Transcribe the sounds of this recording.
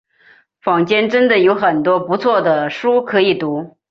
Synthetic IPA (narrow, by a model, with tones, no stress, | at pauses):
fɑ˨˩ŋt͡ɕjɛ˥nʈ͡ʂə˥nd̪ə˨jo˧˥ʊxə˨˩nt̪wɔ˥pu˧˥t͡sʰwɔ˥˩d̪ə˩ʂu˥kʰɤ˧˥i˨˩t̪u˧˥